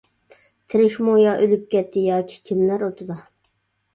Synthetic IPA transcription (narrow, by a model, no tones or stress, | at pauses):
t̪ʰɪɾɪʃmojɑʔølyp̚kʲɛt̪ʰːɪjɑːkʲʰi̥kʲʰimlæɾot̪ʰʊd̪ɑ